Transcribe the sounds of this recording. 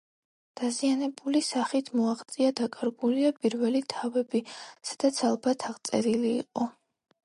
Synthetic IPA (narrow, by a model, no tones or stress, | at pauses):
d̪̥azianɛbulisaχit̪ʰmɔaʁt̪sʼiad̪akʼaɾɡuliapʼiɾvɛlit̪ʰavɛbisḁd̪̥at̪sʰalˠbat̪ʰaʁt̪sʼɛ̰ɾilḭːqʼɔ